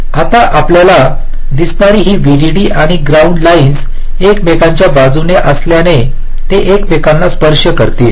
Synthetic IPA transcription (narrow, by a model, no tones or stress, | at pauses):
at̪aʔapljala | d̪isnaɾiːɦiːʋiɽiɽiːʔaɽ̃iɡɾauɳɖlains | ekmekaɲt͡ɕjabad͡zunjəʔəsljane | t̪eʔekmekãnlaspəɾʂjəkəɾt̪i